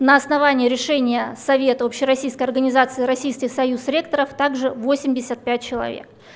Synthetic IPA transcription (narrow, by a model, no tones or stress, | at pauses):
nəɐsnɐvanʲɪjəɾʲɪʂɛnʲɪjəsɐvʲe̞t̪əopɕːɪɾɐsʲijskəjɐrɡənʲɪzat̪sɨːɾɐsʲijskʲɪxsɐjusɾʲekt̪əɾəft̪aɡʐɨvosʲɪmʲdʲɪsʲət̪̚pʲæt̚ʲt͡ɕɪlˠɐ̰vʲḛk